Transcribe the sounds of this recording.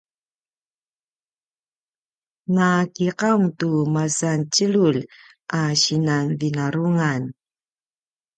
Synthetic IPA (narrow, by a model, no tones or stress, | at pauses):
ŋakiqaŋtumasant͡ɕəlul | ʔaɕinanvinaɾuŋan